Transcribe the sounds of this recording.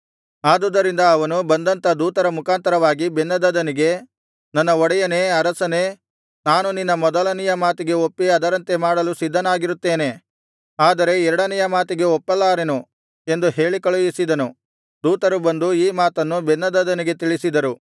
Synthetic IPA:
aːd̪uːd̪ɐɾind̪ɐːʋɐnubɐnd̪ɐnt̪ɐd̪uːt̪ɐɾɐmukʰaːnt̪ɐɾɐʋaːɡibenːɐd̪ɐd̪ɐniɡe̞ | nɐnːɐɔɽɐjɐne̞ːɐɾɐsɐne̞ː | naːnuninːɐmɔd̪ɐlɐnijɐmaːt̪iɡe̞opːiɐd̪ɐɾɐnt̪e̞maːɽɐlusid̪ʱːɐnaːɡiɾut̪ːe̞ːne̞ | aːd̪ɐɾe̞ɛɾɐɽɐnɛjɐmaːt̪iɡe̞ɔpːɐlːaːɾenu | e̞nd̪uɦe̞ːɭikɐɭujisid̪ɐnu | d̪uːt̪ɐɾubɐnd̪uiːmaːt̪ɐnːubɛnːɐd̪ɐd̪ɐniɡe̞t̪iɭisid̪ɐɾu

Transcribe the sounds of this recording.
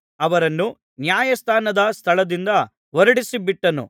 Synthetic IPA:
ɐʋɐɾɐnːu | njaːjɐst̪ʰaːnɐd̪ɐst̪ʰɐɭɐd̪ind̪ɐ | ʋɐɾɐɽisibiʈːɐnṵ

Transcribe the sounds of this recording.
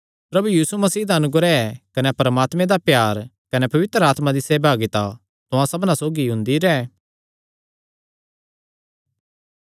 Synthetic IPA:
pɾɐbujiːsumɐsiːd̪aɐnʊɡɾɛɛkɐnɛpɐɾəmaːt̪mẽd̪apjaːɾkɐnɛpɐʋɪt̪ɾəaːt̪mãd̪iseːbʱaːɡit̪a | t̪ʊãsɐbnãsoːɡiɦʊ̃nd̪iɾɛː

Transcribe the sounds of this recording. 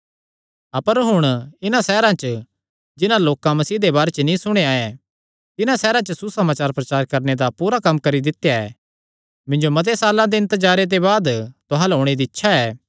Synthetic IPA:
ɐpəɾɦʊɽ̃ɪnãsɛːɾãt͡ʃə | d͡ʒɪnãloːkãmɐsiːd̪ebaːɾet͡ʃnĩsʊɽ̃eaːɛ | t̪ɪnãsɛːɾãt͡ʃəsusɐmaːt͡ʃaːɾpɾɐt͡ʃaːɾkɐɾned̪apuːɾakɐmːkɐɾid̪ɪt̪jaɛː | mɪ̃nd͡ʒomɐt̪̬esaːlãd̪eɐ̃nt̪əd͡ʒaːɾet̪ebaːd̪t̪ʊɦãlɦoːɽ̃ed̪iɪtːʃʰaɛː

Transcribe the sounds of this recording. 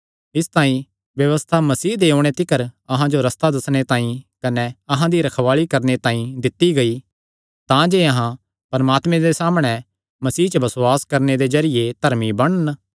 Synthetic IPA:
ɪst̪ãːĩ | ʋjɐʋəst̪ʰamɐsiːd̪eːoːɽ̃et̪ɪkəɾɐɦãd͡ʒoɾɐst̪ad̪ɐsɽ̃et̪ãːĩkɐnɛɐɦãd̪iɾɐkʰʋaːɭikɐɾnet̪ãːĩd̪ɪt̪ːiɡɐi | t̪ãd͡ʒeɐɦã | pɐɾɐmaːt̪mẽd̪esaːmɽ̃ɛ | mɐsiːt͡ʃəbɐsoaːskɐɾned̪ed͡ʒɐɾɪjet̪ɐɾmibɐɽ̃ən

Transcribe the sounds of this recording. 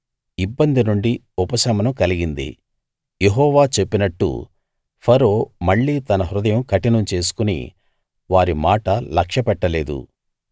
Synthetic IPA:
ibːɐnd̪inuɳɖi | upɐsɐmɐnɐmkɐliɡind̪ḭ | jeɦɔːʋaːt͡ʃe̞pːinɐʈːṵ | pʰɐɾoːmɐɭːiːt̪ɐnɐɦɾud̪ɐjɐmkɐʈinɐmt͡ʃe̞ːs̬u̥kunḭ | ʋaːɾimaːʈɐlɐkʂɐpɛʈːɐle̞ːd̪ṵ

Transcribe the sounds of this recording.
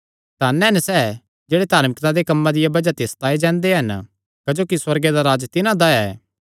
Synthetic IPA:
t̪aːnɛɦnɛsɛː | d͡ʒeːɽet̪aːɾmɪkt̪ãd̪ekɐmːãd̪ɪjabɐd͡ʒat̪eːst̪aːed͡ʒɛ̃ːnd̪eɦɐn | kɐd͡ʒoːkiswɐɾɡed̪aɾaːd͡ʒt̪ɪnãd̪aɛː

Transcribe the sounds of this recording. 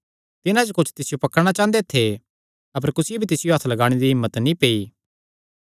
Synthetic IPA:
t̪ɪnãd͡ʒokʊt͡ʃʰt̪ɪsɪjopɐkəɾɽ̃at͡ʃãːnd̪et̪ʰe | ɐp̬əɾkʊsɪjebʱit̪ɪsɪjoɦɐt̪ʰlɐɡaːɽ̃ed̪iɦɪmːət̪nĩpeːiː

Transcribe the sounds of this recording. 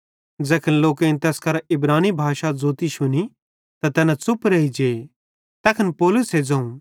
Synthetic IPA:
d͡zɛːkʰənloːkẽnt̪ɛːskɐɾɪbɾaːnibʱaːʃad͡zoːt̪iʃʊni | t̪at̪ɛːnat͡sʊpɾɐid͡ʒeː | t̪ɛːkʰənpoːlʊsɦed͡zɐ̃ũ

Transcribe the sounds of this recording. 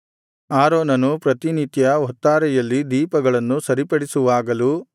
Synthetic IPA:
aːɾoːnɐnupɾɐt̪init̪jɐɔt̪ːaːɾɛjɐlːid̪iːpɐɡɐɭɐnːusɐɾipɐɽisuʋaːɡɐlu

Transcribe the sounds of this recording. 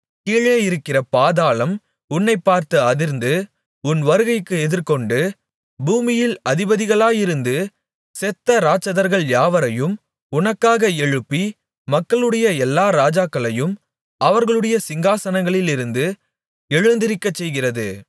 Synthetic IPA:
kiːɭeːjɪɾɯkːɪrɐpaːðaːɭɐm | ʊnːɐɪpːaːɾt̪ɯɐðɪɾnd̪ɯ | ʊnʋɐɾɯɣɐɪkːɯɛðɪɾkɔɳɖɯ | buːmɪjɪlɐðɪbɐðɪɣɐɭaːjɪɾɯnd̪ɯ | sɛt̪ːɐɾaːt͡ʃːɐðɐɾɣɐɭjaːʋɐɾɐjɯm | ʊnɐkːaːɣɐɛɻɯpːi | mɐkːɐɭɯɽɐjɐɛlːaːɾaːd͡ʒaːkːɐɭɐjɯm | ʔɐʋɐɾɣɐɭɯɽɐjɐsɪŋɡaːsɐnɐŋɡɐɭɪlɪɾɯnd̪ɯ | ɛɻɯnd̪ɪɾɪkːɐt͡ʃːɛjɣɪrɐðɯ̰

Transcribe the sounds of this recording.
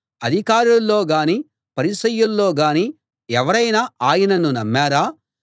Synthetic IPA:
ɐd̪ʱikaːɾulːo̞ːɡaːniː | pɐɾisɐjulːo̞ːɡaːniː | ɛʋɐɾɐjnaaːjɐnɐnunɐmːaːɾaː

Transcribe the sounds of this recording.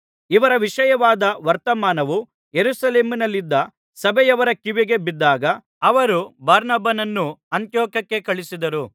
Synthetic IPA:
iʋɐɾɐʋiʂɐjɐʋaːd̪ɐʋɐɾt̪ɐmaːnɐʋu | jeɾusɐleːminɐlːid̪ːɐ | sɐbɛjɐʋɐɾɐkiʋiɡe̞bid̪ːaːɡɐ | ɐʋɐɾubaːɾnɐbɐnɐnːuɐnt̪jɔːkɐkːe̞kɐɭisid̪ɐɾu

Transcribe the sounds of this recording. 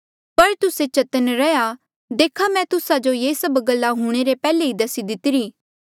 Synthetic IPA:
pɐɾt̪ʊset͡ʃɐt̪ənɾɛja | d̪eːkʰamɛ̃t̪ʊsad͡ʒojeːsɐbɡəlːaɦuɽ̃eɾepɛːleid̪ɐsid̪ɪt̪ɪɾiː

